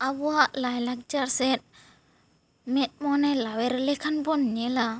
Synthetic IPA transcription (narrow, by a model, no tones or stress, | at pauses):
abuaʔlajlak̚d͡ʒaɾsɛt̚ | mɛt̪̚mɔnelawɛɾlɛkʰanbɔnɲela